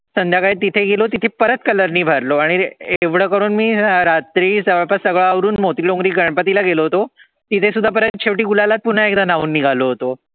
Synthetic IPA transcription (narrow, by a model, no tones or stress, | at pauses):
sənd̪ʱjakaɭit̪ːit̪ʰeɡelot̪it̪ʰepəɾət̪kələɾniːbʱəɾloaɽ̃ieʋɽəkəɾuːnmiːɾat̪ɾiːsəʋəɭpəsəɡɭaaʋɾuːnmot̪ɾilõŋɡɾiːɡəɳpət̪ilaɡeloɦot̪o | t̪it̪ʰesud̪ʱːap̬əɾət̪t͡ɕʰeʋʈiːɡulalat̪̚pun̤aekd̪anaʋuːnːiɡʱaloɦot̪o